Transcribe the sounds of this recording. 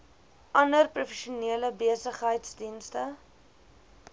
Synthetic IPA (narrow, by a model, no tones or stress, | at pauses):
ʔɐndərprufɛʃuniələbiəsəχɦəjtsdinstə